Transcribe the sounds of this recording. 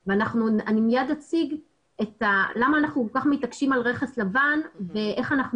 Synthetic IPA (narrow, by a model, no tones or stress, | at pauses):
veanaχnuanimijad̪at͡siɡ | e̞talamaːnaχnukolkaχmitakʃimalʁe̞χeslavanve̞ʔe̞χanaχn